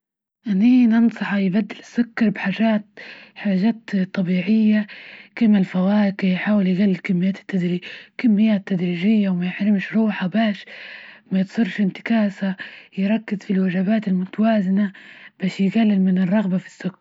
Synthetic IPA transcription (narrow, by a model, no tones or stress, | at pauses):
ʔanːiːnɨnsˤɑħajbad̪ːɪlɪsːʊkːɑɾˤbħaːʒaːt̪̚ħaːʒaːt̪t̪ˤːɑbiːʕɪjːakɪmalfawaːkɪjħaːwɪljɪɣalːɪlkɪmːɪjːaːt̪ɪ̥t̪ːad̪ɾiːd͡ʒkamːɪjːaːt̪ːad̪ɾiːʒɪjːawmajɪħɾɪmʃɾˤuːħabaːʃmajɪt̪sˤʊɾʃɪnt̪ɪ̥kaːsajɪɾˤɑkːɪzfilwaʒabaːt̪ɪlmʊt̪awaːzɪnab̥aːʃjɪɡalːɪlmɪnɪrˤːɑɣbafi̥sːʊkːɑɾ